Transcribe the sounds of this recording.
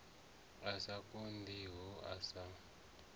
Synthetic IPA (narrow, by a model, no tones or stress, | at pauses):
asakʼondiɦɔasa